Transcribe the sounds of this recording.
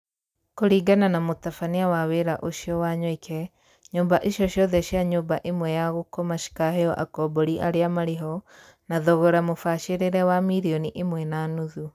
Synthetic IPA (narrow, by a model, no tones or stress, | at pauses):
koɾiːɡananamotafaniawaweɾaʔoʃiɔwaɲwikʰɛ | ɲoːmbaʔeʃjɔʃjɔðɛʃiaɲoːmbaʔemwɛjaɣokɔmaʃi̥kaɦeɔʔa̰kɔbɔɾiʔaɾeamaɾeɦɔ | naðɔɣɔɾamofaʃeɾeɾɛwamiɾiɔniʔemwɛnanuðu